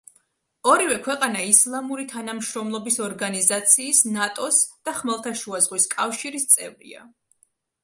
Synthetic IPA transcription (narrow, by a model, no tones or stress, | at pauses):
ɔɾivɛkʰwɛqʼanaislˠamuɾit̪ʰanamʃɾɔmlˠɔbisɔɾɡanizat̪sʰiːsnat̪ʼɔsd̪̥aχmɛlˠt̪ʰaʃuazʁwiskʼafʃiɾist̪sʼɛvɾḭa̰